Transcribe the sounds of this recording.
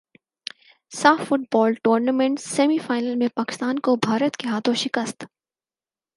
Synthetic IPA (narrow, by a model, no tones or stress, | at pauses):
saːfːʊʈ̚bɔːlʈoːɾnamẽɳʈssɛːmifaːɪnəlmẽpaːkɪ̥st̪aːnkobʱaːɾət̪keɦaːt̪ʰõʃɪkəst̪